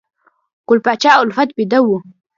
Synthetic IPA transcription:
kʊlpat͡ʃaːʔʊlfat̪̚bid̪awːu

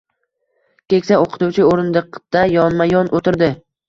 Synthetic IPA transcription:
kʲe̞kʲsaoqʰɨ̥t̪uwt͡ʃʰɪoɾɪnd̪ɨqd̪̥ajɒnmajɒnʔot̪ʰɪɾd̪ɪ

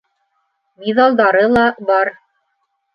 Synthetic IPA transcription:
miðɑlˠd̪ɑɾɤlˠɑbɑɾ

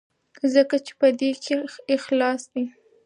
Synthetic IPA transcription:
zəkat͡ʃe̥pəd̪ekʰeɪxlɑsd̪i

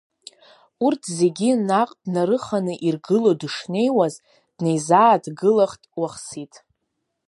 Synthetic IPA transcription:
urtʰze̞ɡʲinaqʼdnaɾɨχanɨʔirɡɨlo̞dɨʂne̞jwaz | d̥ne̞jzaːdɡɨlaχtʼwaχsitʼ

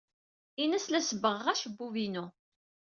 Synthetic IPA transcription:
inæslæsəbəʁːæʃəbːuvinu

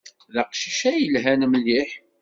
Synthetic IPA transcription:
ðəqʃiʃæjəlɦænmliħ

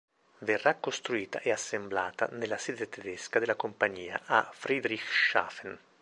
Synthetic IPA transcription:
verːakːost̪ɾuiːt̪a̰ʔeasːemblaːt̪a̰nelːasɛːd̪et̪ed̪eskad̪elːakompaɲːiːa̰ʔafɾid̪ɾixʃa̰ːfen

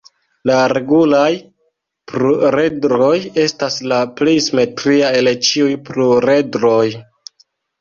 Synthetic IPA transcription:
laɾe̞ɡulaj | pɾuɾe̞dɾo̞je̞staslaplejsime̞tɾiae̞let͡ʃiujpɾuɾe̞dɾo̞j

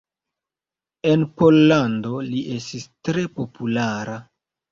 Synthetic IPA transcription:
e̞npo̞lːando̞liʔe̞stistɾe̞po̞pulaɾa

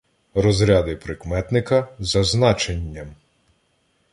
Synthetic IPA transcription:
rɔzɾʲad̪ɪpɾɪkmɛt̪nɪkɐzɐznɑt͡ʃenʲːɐm

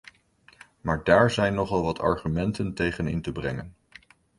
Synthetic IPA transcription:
maːɹdaːɹzɛjnːɔχɑlˠʋɑtʰɑ̰ɹχymɛntəntejχənɪ̰ntəbrɛ̰ŋən

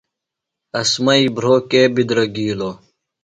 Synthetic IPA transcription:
ɐsmɐibɾoːkeːbid̪ɾɐɡiːloː

